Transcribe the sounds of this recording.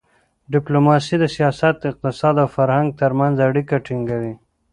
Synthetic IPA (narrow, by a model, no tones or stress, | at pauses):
ɖɪplomɑsid̪əsijɑsat̪̚ɪq̚t̪ɪsɑd̪awfaɾhaŋɡ̚t̪əɾmanzaɽikaʈiŋɡawi